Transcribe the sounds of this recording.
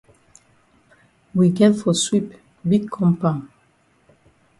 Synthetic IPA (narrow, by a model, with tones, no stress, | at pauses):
wi˨ɡɛ˦tfɔ˨swi˨p | bi˦ɡ̚kʰɔ̃˦mpã˨n